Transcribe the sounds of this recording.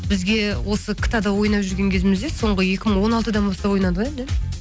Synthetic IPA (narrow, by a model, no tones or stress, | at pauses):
bɪzɡʲe̞wʔo̞səkʲʰɪ̥t̪ad̪ɑwo̞jnɑpʒʏɾɡʲe̞ŋkʲʰe̞zɪmɪzd̪eso̞ɴʁəje̞kʲɪməɴwo̞nɑlˠt̪əd̪ɑnbɑst̪ɑpwojnɑd̪əʁend̪e